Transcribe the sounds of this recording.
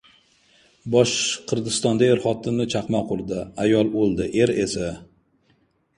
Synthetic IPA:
bɒʃqʰɨɾd̪ɪst̪ɒnd̪aeɾχɒt̪ʰɪmnɪt͡ʃʰɑqmaqʰʊɾd̪ɪajɒlˠolˠd̪ɪʔe̞ɾe̞sa

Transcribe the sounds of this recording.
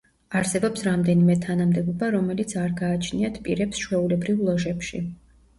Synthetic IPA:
aɾsɛbɔpsɾamd̪ɛnimɛt̪ʰanamd̪ɛbɔbaɾɔmɛlit̪sʰaɾɡaːt͡ʃʰniat̪ʰpʼḭɾɛpsʃwɛulɛbɾivlˠɔʒɛpʃi

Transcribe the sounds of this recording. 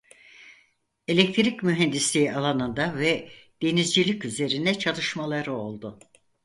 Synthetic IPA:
elʲek̚t̪ʰɾicmyɦend̪islʲiːalˠanɯnd̪avɛd̪̥e̞nizd͡ʒilʲicyze̞ɾind̪ɛt͡ʃʰalˠɯʃmalˠaɾɯo̞lˠd̪ʊ

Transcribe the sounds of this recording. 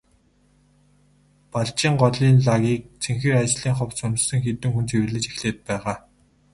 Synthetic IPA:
paɮt͡ɕiːŋɢɔɮiːnɮaɣʲiːk̚t͡sʰeŋxĕːrat͡ɕɮiːŋχɔwsɵnsɘ̆ŋxet̪ɘ̆ŋxunt͡sʰewɘ̆ɮɘ̆t͡ɕexɮeːt̪̚pæːʁaː

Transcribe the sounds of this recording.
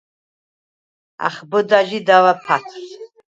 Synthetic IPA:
a̰χbəd̪aʒid̪avapʰatʰs

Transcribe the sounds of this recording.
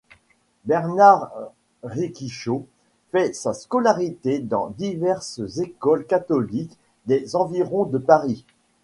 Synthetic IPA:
bɛʁnaʁː | ikʲiʃo | fɛsaskɔlaʁit̪ed̪ɑ̰̃d̪ivɛʁszekɔlkat̪ɔlik | d̪ezɑ̃viʁɔ̃d̪əpaʁi

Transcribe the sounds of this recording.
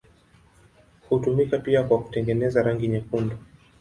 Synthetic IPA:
hutumikapiakwaku̥tɛŋɡɛnɛzaɾaŋɡiɲakundɔ

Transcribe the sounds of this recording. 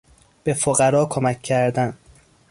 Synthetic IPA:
b̥e̞foɢæɾɒːkʰomæcʰːæɾd̪æn

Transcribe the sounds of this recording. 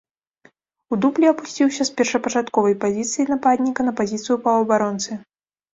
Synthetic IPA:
ud̪uplʲiɐpusʲt͡sʲiwsʲɐspʲɛrʂɐpɐt͡ʂat̪kɔvɐjpazʲit̪sɨjinapad̪ʲnʲikɐnɐpazʲit̪sɨjupɐɐbaɾɔnt̪sɨ

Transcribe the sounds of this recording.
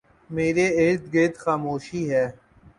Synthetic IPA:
meːɾeeːɾt̪ɡeːt̪xaːmoːʃiːɦɛː

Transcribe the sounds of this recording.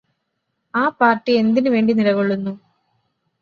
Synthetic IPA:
aːpaːrʈːie̞nd̪inɨʋe̞ːɳɖinilɐɣoɭːunːu

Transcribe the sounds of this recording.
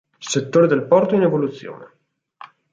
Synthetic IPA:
set̪ːoːɾed̪elpɔrt̪oinevolut̪sːjo̰ːne

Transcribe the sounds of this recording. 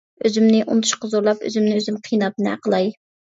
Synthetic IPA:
øzymnɪʔṵnt̪ʰu̥ʃqɑzoɾlˠɑpø̰zymnɪøzymqʰijnɑt̪̚nɨæ̰qəlˠɑj

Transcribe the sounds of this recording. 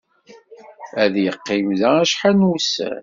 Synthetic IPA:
æðjəqːimðææʃħanwusæ̰n

